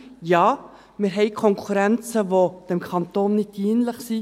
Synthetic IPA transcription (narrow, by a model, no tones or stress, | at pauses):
jɑː | mɛɾɦɛɪkʰɔŋkʰʉɾɛnsəʋoːd̪̥ɛmkʰɑnt̪oːnnːɪt̪iːnləχsiː